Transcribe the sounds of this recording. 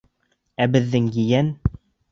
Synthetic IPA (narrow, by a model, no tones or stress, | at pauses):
æbɘ̆ðːɘŋjɘ̆jæn